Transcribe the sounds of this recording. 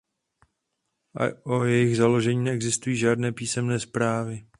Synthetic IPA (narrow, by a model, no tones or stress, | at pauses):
ʔa̰ʔojɛjɪɣzalo̞ʒɛɲiːnɛɛɡzɪst̪ujiːʒaːdnɛːpiːsɛmnɛːspɾaːvɪ